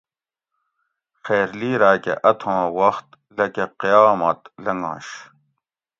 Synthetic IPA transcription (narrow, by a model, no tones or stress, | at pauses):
xeːɾliːɾaːkḛʔɐt̪ʰõːwɐxt̪ | lɐkeqijaːmɐt̪lɐŋɡã̰ːɕ